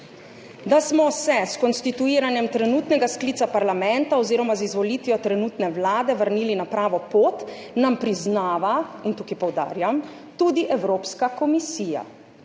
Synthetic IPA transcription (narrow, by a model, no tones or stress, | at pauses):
d̪asmɔsɛskɔnst̪it̪uiːɾanjɛmt̪ɾɛnuːt̪nɛɡasklit̪sapaɾlamɛnt̪aɔziːɾɔmazizʋɔlit̪ʋjɔt̪ɾɛnuːt̪nɛwlaːd̪ɛʋəɾniːlinapɾaːʋɔpoːt̪ | nampɾiznaːʋaint̪ukajpɔwd̪a̰ːɾjam | t̪uːd̪iʔɛwɾoːpskakɔmisiːja̰